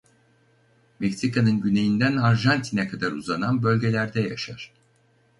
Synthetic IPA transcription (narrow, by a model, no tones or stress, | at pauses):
mecsikʰanɯnɟyne̞jind̪ænaɾʒant̪ʰinɛkʰad̪aɾuzananbø̞lʲɟe̞lʲæɾd̪ɛjaʃaɾ̥